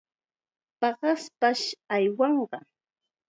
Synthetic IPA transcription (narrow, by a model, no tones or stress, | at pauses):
pɑɢɑspaʃajwɑɴɢɑ